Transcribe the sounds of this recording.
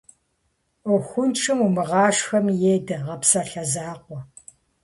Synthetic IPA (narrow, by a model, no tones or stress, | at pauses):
ɔxʷʊnʈ͡ʂʰɨmumɨʁɑːʂxɐmjeːdɐʁɐpsɐɬɐzaːqʷɔ